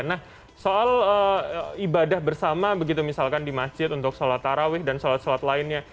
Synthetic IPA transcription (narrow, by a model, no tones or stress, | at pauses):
nah | soaləibadahbərsamabəɡit̪umisalkandimasd͡ʒɪt̪unt̪ʊksolat̪ːaɾawɪhdansolat̪̚solat̪laɪnɲa